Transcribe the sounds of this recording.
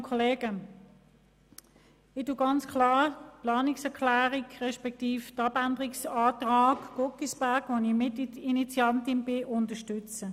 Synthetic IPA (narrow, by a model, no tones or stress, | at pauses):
kʰɔleːɡ̥ə | ɪtuːɡɑnt͡skʰlɑːplɑːniksɛɐkʰlæːʁikʁɛʃpɛk̚tiːfdɑbændəʁiksaːtʁaːɡɡ̥okisb̥æɐɡ̥ʋonimɪtinit͡sjɑntɪnb̥ɪʔʊntəʃtʏt͡sə